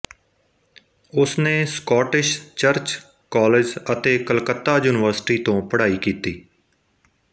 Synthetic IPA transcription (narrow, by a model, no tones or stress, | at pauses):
ʊsneːskɔːʈɪʃt͡ʃəɾt͡ʃ | kɔːled͡ʒət̪eːkəlkət̪ːaːjuːnɪʋəɾsʈiːt̪õːpəɽaːiːkiːt̪iː